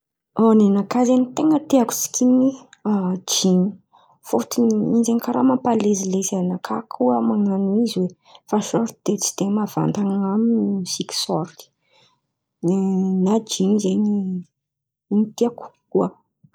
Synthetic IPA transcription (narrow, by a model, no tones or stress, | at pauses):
anenakazenit̪eŋət̪eaku̥si̥kʲimiad͡ʒiɲi | fot̪inind͡ʒenikaɾamapalezilezanakʰakʰuəmaŋaniziwe | faʃɔɾd̪̥et͡si̥d̪̥emav̥a̰nt̪aŋaminsiki̥sɔ̰ɾt̪i̥ | enad͡ʒinzeɲi | nit̪iaku̥kuə